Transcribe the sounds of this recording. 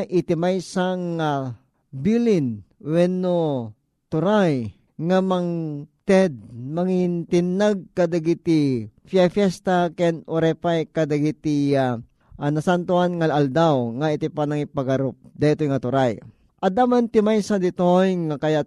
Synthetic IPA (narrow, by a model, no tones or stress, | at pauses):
ʔɪt̪ɪmajsaŋa | bilɪn | wɛnːo | t̪ʊɾaj | ŋamɐŋt̪ɛd̪̚mɐŋɪnt̪ɪnːaɡ̚kɐd̪ɐɡit̪ifjafjɛst̪akɛnoɾɛpajkɐd̪ɐɡit̪ia | ʔanɐsant̪ʊhanŋaald̪awŋaɪt̪ɪpanɐŋɪpɐɡɐɾop̚d̪ɐɪt̪ojŋɐt̪ʊɾaj | ʔɐd̪amant̪ɪmajsad̪ɪt̪ojŋakɐja